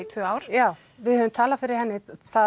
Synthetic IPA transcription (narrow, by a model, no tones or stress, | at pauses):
t̪ʰvʏːaːwɾ̥jaːw | vɪðhœːvʏmt̪ʰaːlafɪɾɪɾ̥hɛnːɪθa